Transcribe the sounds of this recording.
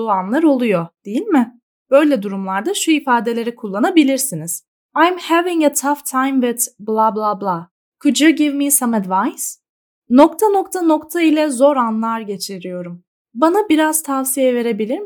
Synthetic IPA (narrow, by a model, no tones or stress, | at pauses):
uanlˠaɾo̞lˠujod̪̥ejilʲmɪ | b̥ø̞jlʲɛd̪uɾumlˠaɾd̪aʃuifaːd̪e̞lʲe̞ɾɛkʰulˠːanabilʲiɾsiniz̥ | ajmhæviŋɛt̪ʰaft̪ʰajmvɛt̪blˠablˠablˠa | kʰɯd͡ʒɯɟivmisamɛd̪vajz̥ | nok̚t̪ʰano̞k̚t̪ʰano̞kt̪ʰailʲɛzo̞ɾanlˠaɾɟe̞t͡ʃʰiɾijo̞ɾum | banabiɾaz̥t̪ʰavsijɛve̞ɾe̞bilʲiɾm